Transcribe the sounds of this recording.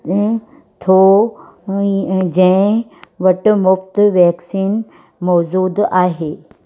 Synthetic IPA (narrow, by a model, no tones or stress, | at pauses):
t̪ʰo | d͡ʑẽʋɐʈmʊft̪ʋɛːksiːn | mɔd͡ʑuːd̪aːɦeː